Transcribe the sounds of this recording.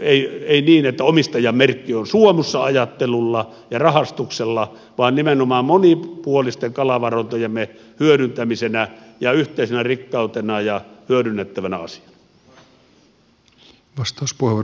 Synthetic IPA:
eˑieˑiniːnet̪ːæomist̪ɑjˑɑmmerkːionsuomusːɑɑjɑt̪ːelulːɑ | jɑrɑhɑst̪ukselːɑ | ʋɑˑːnnimenomɑːmmonipuolist̪eŋkɑlɑʋɑront̪ojemːe | hyøɾynt̪æmisenæjɑyht̪ˑeˑisenærikːɑˑut̪enɑjɑhyøɾynːet̪ːæʋænæ̰ɑ̰si̥ɑ̥nɑ | ʋɑst̪ɑˑuspuheʋo

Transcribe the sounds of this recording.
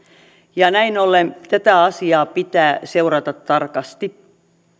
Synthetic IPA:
jɑnæinolːent̪æt̪æɑsiɑːpit̪æːseurɑt̪ɑt̪tɑrkɑst̪i

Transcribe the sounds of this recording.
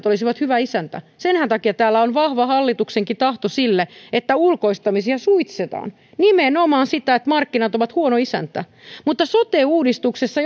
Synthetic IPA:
t̪olisiʋɑt̪hyʋæisænt̪æ̰senhænt̪ɑkiɑt̪æːlːæonʋɑhʋɑhɑlːit̪ukseŋkit̪ɑht̪osilːeet̪ːæulko̞ist̪ɑmisiɑsuit̪set̪ɑ̰ːn | nimenomɑːnsit̪æet̪mɑrkːinɑt̪oʋɑt̪huonoisæ̰nt̪æ̰ | mut̪ːɑsot̪eːuːdist̪uksesːɑ

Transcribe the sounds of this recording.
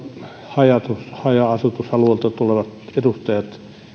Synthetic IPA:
hɑjɑt̪ushɑjɑɑsut̪ushɑluoˑlt̪ɑt̪uleʋɑt̪edust̪ɑjɑt̪

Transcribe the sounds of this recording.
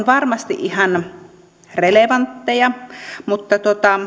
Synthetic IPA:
nʋɑrmɑst̪iʔʔihɑn | releʋɑnt̪ːejɑmut̪ːɑt̪uot̪ɑ

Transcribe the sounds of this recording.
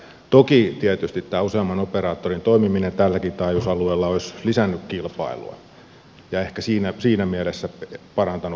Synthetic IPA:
t̪okit̪iæt̪yst̪it̪t̪ːæːuseɑmːˑɑnoperɑːt̪ːorint̪oimiminent̪ælːækit̪ɑijusɑlueːlːɑoislisænːykkilpɑ̰ilṵɑ̰ | jɑehkæsiːnæsiːnæmielesːæpɑrɑnt̪ɑnu

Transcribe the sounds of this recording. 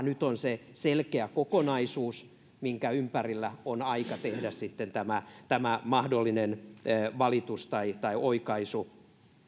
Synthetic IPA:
nyt̪onseselkeækokonɑisuːs | miŋkæympærilːæonɑikɑt̪ehdæssit̪ːent̪æmæt̪æmæmɑhdolːinenːʋɑlit̪ust̪ɑit̪ɑiʔoikɑisu

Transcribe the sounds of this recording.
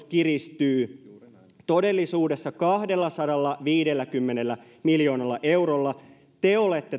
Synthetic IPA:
kirist̪yː | t̪o̞delːisuːdesːɑkɑhde̞lːɑsɑdɑlːɑʋiːdelːækymːenelːæ | miljoːnɑlːɑʔe̞wɾolːɑ | t̪eolet̪ːe

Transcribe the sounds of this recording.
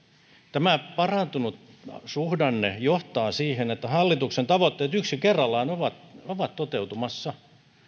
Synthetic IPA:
t̪æmæpɑrɑnt̪unut̪ | suhdɑnːejoht̪ɑːsiːhenet̪ːæhɑlːit̪uksent̪ɑʋot̪ːeːt̪yksikerːɑlːɑːnoʋɑt̪oʋɑt̪t̪ot̪eut̪umɑsːɑ

